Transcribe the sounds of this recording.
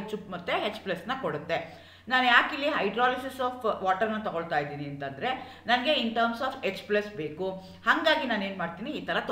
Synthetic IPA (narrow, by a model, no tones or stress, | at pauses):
t͡ʃupmɐt̪ːeɦet͡ʃːplɐsnɐkoɽut̪ːe | naːnjaːkilːiɦɐjɖɾaːlisisaːfʋaːʈɐɾnːɐt̪ɐɡoɭt̪aːjid̪iːniɐnt̪ɐnd̪ɐɾe̞ | nɐnɐɡe̞inʈɐːɾmsaːfet͡ʃːplɐsbe̞ːku | hɐŋɡaːɡinaːne̞ːnmaːɖt̪iːniːt̪ʰɐɾɐt̪